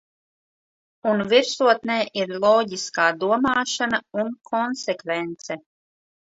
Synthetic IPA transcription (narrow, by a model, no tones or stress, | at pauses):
unviɾsuɔt̪neːʔiɾlˠɔːɟiskaːd̪uɔmaːʃanaunkʰɔnsekvent̪sɛ